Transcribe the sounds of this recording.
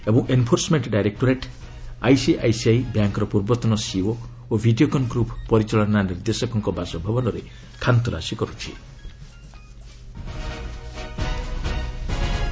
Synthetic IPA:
ebɔŋʔenpʰoɾsɔmeɳʈɖajɾek̚ʈɔɾeʈ | a̰jsiʔajsiajbjaŋkɔɾɔpuɾbɔt̪ɔnɔsio | obʱiɖiokɔnɡɾuppɔɾit͡ʃɔlɔnaniɾd̪esɔkɔŋkɔbasɔbʱabɔnɔɾe | kʰant̪ɔla̰sikɔɾut͡ʃʰḭ

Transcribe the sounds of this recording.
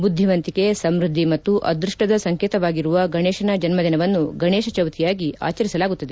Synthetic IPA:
bud̪ʱːiʋɐnt̪ikesɐmɾud̪ʱːimɐt̪ːuʔɐ̰d̪ɾuʂʈɐd̪ɐsɐŋkeːt̪ɐʋaːɡiɾuʋɐɡɐɳeːʃɐnɐd͡ʒɐnmɐd̪inɐʋɐnːuɡɐɳeːʃɐt͡ʃɐwt̪ʰijaːɡia̰ːt͡ʃɐɾisɐlaːɡut̪ːɐd̪e

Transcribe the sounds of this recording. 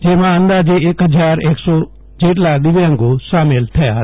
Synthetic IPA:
d͡ʒemãə̃nd̪aːd͡ʒeeːkɦəd͡ʒaːɾeːksɔː | d͡ʒeːʈ̬lad̪ɪʋə̃ŋɡosaːmeːlt̪ʰəja̰ː

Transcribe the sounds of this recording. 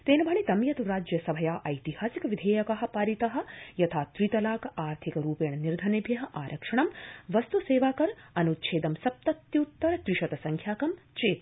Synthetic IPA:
t̪eːnɐbʱɐɳit̪ɐmjɐt̪uɾaːd͡ʒjɐsɐbʱɐjaːʔɐjt̪ihaːsikɐʋid̪ʱeːjɐkɐɦɐ̆paːɾit̪ɐɦɐ̆jɐt̪ʰaːt̪ɾit̪ɐlaːkɐʔaːɾt̪ʰikɐɾuːpeːɳɐniɾd̪ʱɐnebʱjɐɦɐ̆ʔaːɾʔɐkʂɐɳɐmʋɐst̪useːʋaːkɐɾɐnut̪t͡ʃʰeːd̪ɐmsɐp̚t̪ɐt̪jɐut̪ːɐɾɐt̪ɾiʃɐt̪ɐsɐŋkʰjaːkɐm | t͡ʃeːt̪

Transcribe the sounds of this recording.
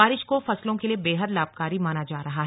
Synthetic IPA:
aːɾɪʃkofɐslõkeliebeːɦəd̪laːb̚kaːɾimaːnad͡ʒaːɾɐɦaɦɛ

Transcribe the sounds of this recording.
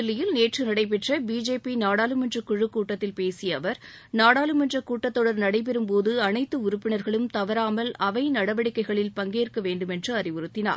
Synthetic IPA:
ɪlːɪjɪlneːʈrɯnɐɽɐɪp̬ɛʈrɐbiːd͡ʒeːpinaːɽaːlɯmɛndrɐkːʊɻɯkːuːʈːɐt̪ːɪlpeːsɪjɐʋɐɾ | naːɽaːlɯmɛndrɐkuːʈːɐt̪ːɔɽɐɾnɐɽɐɪp̬ɛɾɯmpoːðɯɐnɐɪt̪ːɯʊɾʊpːɪɳɐɾɣɐɭɯmt̪ɐʋɐɾaːmɐlɐʋɐɪnɐɽɐʋɐɽɪkːɐɪɣɐɭɪlpɐŋɡeːrkɐʋeːɳɖɯmɛndrɯɐrɪʋɯɾɯt̪ːɪna̰ːɾ

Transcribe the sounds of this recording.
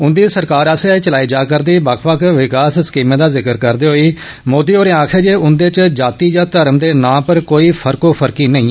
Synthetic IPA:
ʊnd̪iːsəɾkaːɾəːset͡ʃəlaːiːd͡ʒaːkəɾd̪iːbəkʰbəkʰʋɪkaːsskiːmẽːd̪aːzɪkəɾkəɾd̪eːɦoːiː | moːd̪iːoːɾeːãːkʰeːd͡ʒeːʊnd̪eːt͡ʃd͡ʒaːt̪iːd͡ʒãːt̪əɾəmd̪eːnãːpəɾkoːiːpʰəɾkoːpʰəɾkiːnəĩː

